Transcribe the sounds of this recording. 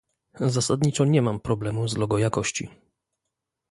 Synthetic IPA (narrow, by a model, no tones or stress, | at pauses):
zasad̪ɲit͡ʂɔɲɛmampɾɔblɛmuzlɔɡɔjakɔɕt͡ɕḭ